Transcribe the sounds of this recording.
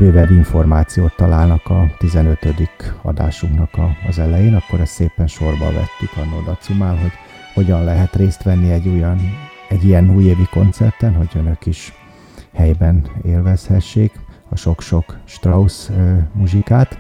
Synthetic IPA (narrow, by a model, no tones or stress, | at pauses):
bøːbɛbiɱfo̞rmaːt̪sijoːt̪ːɒlaːlnɒkɒt̪izɛnøt̪ø̞d̪ikɒ̰d̪a̰ːʃuŋknɒkɒːzɛlɛjeːnɒkːo̞ɾɛst̪seːpɛnʃo̞rbɒ̰vɛ̰t̪ːikɒnod̪ɒt̪sumaːlɦo̞ɟ | ho̞ɟɒnlɛɦɛt̪reːst̪ʋɛnːiɛɟːujn | ɛɟːijɛnuːjeːviko̞̰nt̪sɛ̰rt̪ɛnɦoɟønø̞kiʃ | hɛjbɛneːlvɛshɛʃːeːk | ɒʃo̞kʃo̞kʃt̪rɒusmuʒikaːt̪